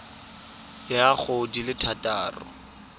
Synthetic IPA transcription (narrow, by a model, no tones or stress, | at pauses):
jak͡xʰodilɪtʰataːrʊ̰